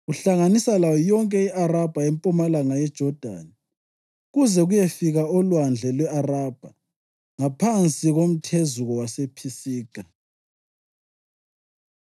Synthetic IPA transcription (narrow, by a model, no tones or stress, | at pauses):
ɣuɬaŋanisalawɔjɔŋkʼɛiʔarab̥ʱaempʼumalaŋajɛd̥ʒ̥ʱɔd̥ʱa̰ni | ɣuzɛɣujefiɣaɔlwand͡ɮʱɛlwɛarab̥ʱa | ŋapʰant͡sʼiɣom̩tʰezuɣɔwasepʰisiːɡ̥ʱa